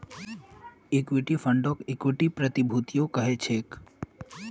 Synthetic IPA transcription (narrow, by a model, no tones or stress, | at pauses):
ɪkwiʈifʰəɳɖokɪkwɪʈipɾət̪ibʱut̪ijokəɦet͡ʃʰeːk